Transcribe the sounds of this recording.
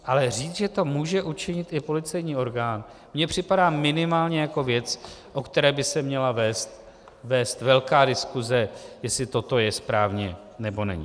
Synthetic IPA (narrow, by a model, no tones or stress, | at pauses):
ʔalɛriːt͡sʒɛt̪o̞muːʒɛʔut͡ʃɪɲɪt̪ʔɪpo̞lɪt͡sɛjɲiːo̞ɾɡaːn | mɲɛpr̝̥ɪpadaːmɪnɪmaːlɲɛjako̞vjɛt͡sʔo̞kt̪ɛɾɛːbɪsɛmɲɛlavɛːst̪̚ | vɛːst̪vɛlkaːdɪskuzɛjɛslɪt̪o̞t̪o̞jɛspɾaːvɲɛ | nɛbo̞nɛ̰ɲɪ̰